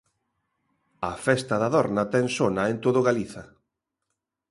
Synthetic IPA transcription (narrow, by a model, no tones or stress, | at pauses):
ɐfɛst̪ɐðɐðɔɾnat̪ɛŋsonɐent̪oðʊɣaliθɐ